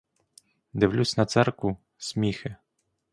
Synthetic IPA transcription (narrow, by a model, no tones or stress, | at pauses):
d̪ɪwlʲusʲnɐt̪sɛrkʊ | sʲmʲixɪ